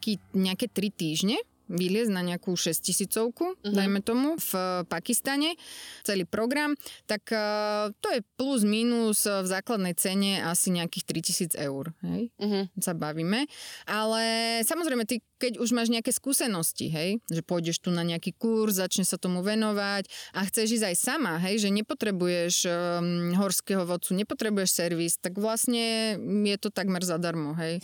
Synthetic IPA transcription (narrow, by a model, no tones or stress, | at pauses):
kiːɲɛakɛt̪ɾit̪iːʒɲɛ | ʋilɪɛznaɲɛakuːʃɛscisiːt͡sɔʊkud̪ajmɛt̪ɔmufpakist̪aɲɛt͡sɛliːpɾɔɡɾamt̪akt̪ɔjɛpluzminuzvzaːklad̪nɛjt͡sɛɲɛʔasiɲɛakiːxt̪ɾicisiːd͡zɛʊɾɦɛjsabaʋiːmɛʔalɛsamɔzɾɛjmɛt̪ikɛɟuʒmaːʒɲɛakɛskuːsɛnɔscḭɦɛjʒɛpʊɔjɟɛʃt̪unaɲɛakiːkuɾzzat͡ʃɲɛsat̪ɔmuʋɛnɔʋacaxt͡sɛʒiːzajsamaɦɛjʒɛɲɛpɔt̪ɾɛbujɛʃ | ɦɔɾskɛɦɔʋɔt̪t͡suɲɛpɔt̪ɾɛbujɛʃsɛɾʋist̪aɡʋlasɲɛjɛt̪ɔt̪aɡmɛɾzad̪aɾmɔɦɛj